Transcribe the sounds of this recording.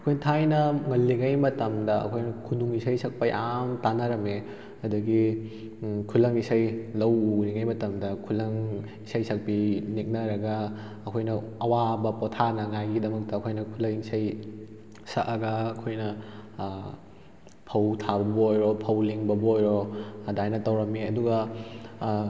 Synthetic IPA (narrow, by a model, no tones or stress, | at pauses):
ɐkʰojnɐtʰajnɐŋɐlːiŋɐjmɐtɐmdɐɐ̰kʰojnɐkʰunuŋisɐjsɐk̚pɐjʔamtanɐɾɐme | ɐduɡi | kʰulɐŋisajlɐwuniŋɐjmɐtɐmdɐkʰulɐŋ | isɐjsʰɐk̚pinik̚nɐɾɐɡɐː | kʰojnɐɐwabɐpotʰanɐŋajɡidɐmɐk̚tɐːkʰojnɐkʰulɐŋisɐj | sɐʔɐɡɐːkʰojnɐ | pʰɐwtʰabɐbɐojɾopʰɐwliŋbɐbɐojɾodajnɐtɐwɾɐmeɐduɡɐ